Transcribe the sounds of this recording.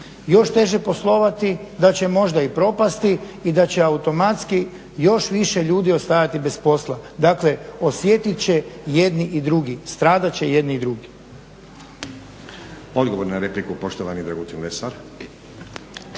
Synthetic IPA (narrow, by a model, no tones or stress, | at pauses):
jo̞ʃt̪e̞ʒe̞po̞slˠo̞ʋat̪id̪at͡ɕe̞mo̞ʒd̪aipɾo̞past̪iː | d̪at͡ɕe̞aut̪o̞mat̪ski | jo̞ʃʋiʃe̞ʎuːd̪io̞st̪ajat̪ibe̞spo̞slˠad̪akle̞o̞sjet̪it̪t͡ɕe̞jed̪niʔid̪ɾuɡist̪ɾaːd̪at͡ɕe̞je̞d̪niːd̪ɾuɡi | o̞d̪ɡoʋoɾnaɾeplikupo̞ʃt̪oʋanid̪ɾaɡut̪inlesaɾ